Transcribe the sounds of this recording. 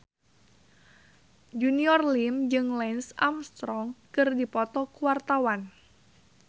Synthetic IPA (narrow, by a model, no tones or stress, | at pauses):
d͡ʒuniɔrlimd͡ʒɨŋlɛnsa̰mst̪ɾɔŋkɨrdipɔt̪ɔkuwart̪awan